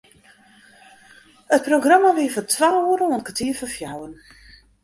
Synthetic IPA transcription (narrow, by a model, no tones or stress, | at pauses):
ət̚proɡramaʋɪəfɔtʰʋaːuəɾəɔnkətʰiəfəfjawən